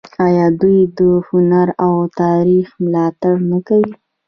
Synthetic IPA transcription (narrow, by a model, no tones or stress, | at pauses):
ajɑd̪ujd̪əhʊnaɾawt̪ɑɾixmlɑt̪aɽnakawi